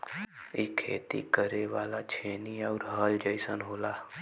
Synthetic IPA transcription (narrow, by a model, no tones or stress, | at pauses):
iːkʰḛːt̪ḭkəɾeʋaːlat͡ʃʰeːniəʊɾɦəld͡ʒəisənɦoːlaː